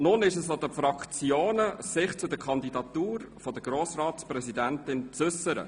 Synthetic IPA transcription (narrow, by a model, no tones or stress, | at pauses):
nʊnɪʃəsod̪əfɾɑkt͡sjoːnəsɪχt͡sʊdəkʰɑnd̪idɑtuːɾfɔd̥əɡ̥ɾoːsrɑːtsprɛsidænt̪ɪnt͡sʏsəɾə̰